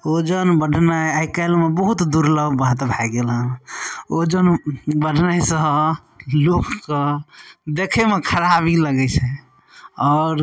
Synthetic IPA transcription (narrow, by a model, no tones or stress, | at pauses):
od͡ʒənbəɖʱnajakəɪlmebəɦut̪d̪uɾləbʱbəɦt̪bʱaɡelɦənod͡ʒənbəɖʱnajsəɦ | lokːəd̪ekʰemekʰəɾabiləɡɛt͡ʃʰɛ | ɔːɾ